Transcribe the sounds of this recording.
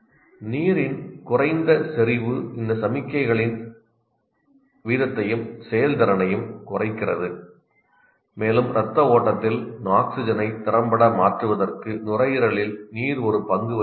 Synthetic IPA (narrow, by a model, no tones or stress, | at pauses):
niːɾɪnkʊrɐɪnd̪ɐsɛɾɪʋɯɪnd̪ɐsɐmɪkːɐɪɣɐɭɪn | ʋiːðɐt̪ːɐjɯmsɛjɐld̪ɐɾɐnɐjɯmkʊrɐɪkːɪrɐ̰ðɯ | meːlɯmɾʔɐt̪ːɐoːʈːɐt̪ːɪlnaːksɪd͡ʒɐnɐɪt̪ːɪrɐmbɐɽɐmaːʈrɯʋɐðɐrkɯnʊrɐjɪɾɐɭɪlniːɾɔɾɯpɐŋɡɯʋɐ